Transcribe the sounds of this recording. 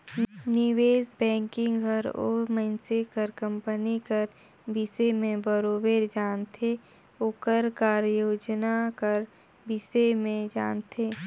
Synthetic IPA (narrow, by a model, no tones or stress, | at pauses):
nɪweːsbɛ̃ːŋkɪ̃ŋɡɡʱəɾo̰məɪnsekəɾkə̃mpənikəɾ | bisemẽbəɾoːbeɾd͡ʒaːnt̪ʰe | oːkəɾkaːɾjoːd͡ʒnakəɾ | bɪsemẽd͡ʒa̰ːnt̪ʰeː